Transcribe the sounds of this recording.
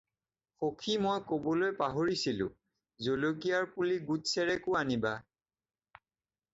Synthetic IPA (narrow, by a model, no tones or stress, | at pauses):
xokʰimojkobɔlojpaɦoɹisilʊ̰̃ | zolok̬ijaɹpuliɡutsɛɹɛkʊaniba